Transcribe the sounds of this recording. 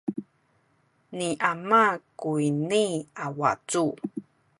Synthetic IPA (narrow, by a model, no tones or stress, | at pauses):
niʔamakuiniawa̰t͡su